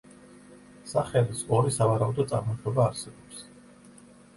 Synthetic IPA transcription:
saχɛlisɔɾisavaɾaud̪ɔd̪t̪sʼa̰ɾmɔt̪ʰɔbaːɾsɛbɔps

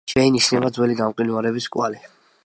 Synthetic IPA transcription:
ʃɛiniʃnɛbad̪zwɛliɡamqʼinuaɾɛbiskʼwali

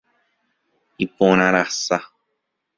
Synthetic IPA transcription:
ipõɾ̃ãɾasa

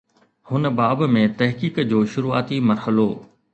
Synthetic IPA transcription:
hʊnəbaːbmẽt̪ɐɦkiːkd͡ʑoːʃʊɾuːa̰ːt̪imɐɾhəlo

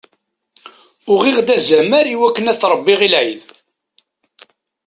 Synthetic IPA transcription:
ʊʁiʁd̪æzæməɾiwækːənæθɾˤəbːiʁilʕið

